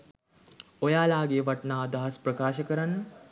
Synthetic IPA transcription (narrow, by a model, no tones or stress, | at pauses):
ojaːlaːɡeːʋaʈnaːd̪aɦɐsprəkaːʃəkəɾanːə